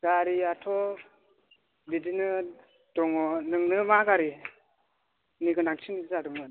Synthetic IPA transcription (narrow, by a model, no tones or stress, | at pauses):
ɡ̥aɾiatʰɔ | bidinɯ | d̥ɔŋɔnɯŋnɯmaɡaɾi | niɡɯnaŋt͡ʃʰiniɡzadɯmɯn